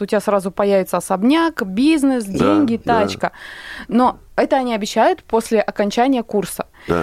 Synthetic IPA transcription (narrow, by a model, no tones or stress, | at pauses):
ʊtʲɪbʲasɾazʊpɐjævʲɪt̪səsɐbnʲakbʲiznɨsdʲenʲɡʲɪt̪at͡ɕkəno̞ɛt̪əɐnʲiɐbʲɪɕːæjʊt̪po̞sʲlʲɪʔɐkɐnʲt͡ɕænʲɪjəkursə̥